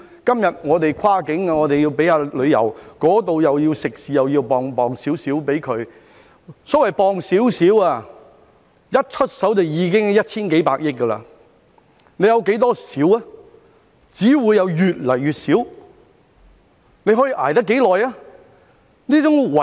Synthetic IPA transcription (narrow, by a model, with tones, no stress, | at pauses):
kɐ˥mjɐ˨t̚ŋɔː˨˧t̪e˨jkʷʰwaː˥kɪ˨˥ŋa˧ŋɔː˨˧t̪e˨ji˧wpe˨˥jaː˧lɵ˨˧ɥjɐ̰˨˩wkɔː˨˥t̪o˨wjɐ˨wjiː˧wsɪ˨k̚siː˨jɐ˨wjiː˧wpɔː˨ŋpɔː˨˩ŋsiː˨˥wsiː˨˥wpe˨˥jkʰɵ˨˧ɥ | sɔː˨˥wɐ˨jpɔː˨ŋsiː˨˥wsiː˨˥waː˧ | jɐ˥t̚t͡ʃʰɵ˥t̚sɐ˨˥wt͡sɐ˨wjiː˨˧k̬ɪ˥ŋ˨jɐ˥t̚t͡ʃʰiː˥nke˨˥jpaː˧k̚jɪ˥k̚kːə˧la̰ː˧ | ne˨˧jɐ˧wke˨˥jt̪̬ɔː˥siː˨˥waː˥ | t͡siː˨˥wuː˨˧jːɐ˨˧wjyː˨t̚lɐ˨˩jyː˨t̚siː˨˥w | ne˨˧jɦɔː˨˥jiː˧ʔaː˨˩jt̪̬ɐ˥kːe˨˥jlɔː˨jaː˥ | niː˥t͡sʊ˨˥ŋwɐ˨